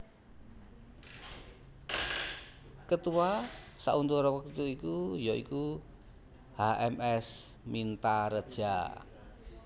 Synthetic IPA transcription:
kət̪uwasaʔunt̪uɾɔwəkut̪uikujɔḭku | haʔɛmɛsmint̪aɾəd̥ʒ̥a̰

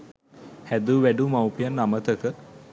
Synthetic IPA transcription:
hæd̪uʋæɖumawpijanːamət̪əkə

